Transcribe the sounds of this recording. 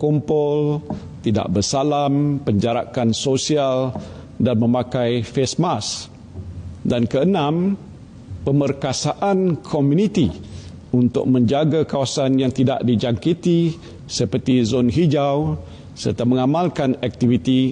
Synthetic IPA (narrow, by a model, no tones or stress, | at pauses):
kumpʊl | t̪ida̰ʔbərsalampəɲd͡ʒaɾa̰kansosial | danmə̃mãkajfesmas | dankəənãm | pəmərkasaʔankʰomjunit̪i | unt̪ʊ̰k̚mə̃ɲd͡ʒaɡakawasanjaŋt̪ida̰ʔdid͡ʒaŋkit̪i | səpərt̪izonɦid͡ʒaw | sərt̪aməŋamalkanɛk̚t̪ivit̪i